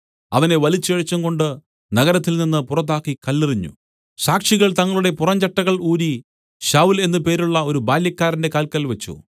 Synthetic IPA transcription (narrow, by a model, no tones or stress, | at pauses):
ɐ̰ʋɐne̞ʋɐlit͡ɕːɐɻɐt͡ɕːɐŋɡo̞ɳɖɨ | nɐɣɐɾɐt̪ːilninːɨpurɐt̪̬ːaːkːikɐlːiriɲːṵ | ɕaːkʂiɣɐɭt̪ɐŋːɐɭuɽe̞purɐɲt͡ɕɐʈːɐɣɐɭuːɾi | ɕaːwule̞nːɨpe̞ːɾuɭːɐo̞ɾubaːljɐkːaːɾɐnde̞kaːlkɐlʋɐt͡ɕːṵ